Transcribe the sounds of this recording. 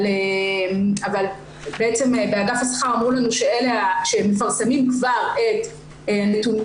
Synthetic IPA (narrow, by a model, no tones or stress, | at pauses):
lemaval | beet͡se̞mebeadafasḁχaʁamʁulanuʃeeleaʃeme̞faʁsemimkvaʁet̪ | eanetun